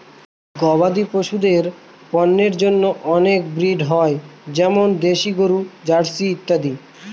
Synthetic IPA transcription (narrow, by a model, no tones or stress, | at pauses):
ɡɔβad̪ipoʃud̪eɾ | pɔnːeɾd͡ʑonːoʔɔnek̚bɾiɖɦɔed͡ʑɛmond̪eʃiɡoɾud͡ʑaɽsiit̪ːad̪i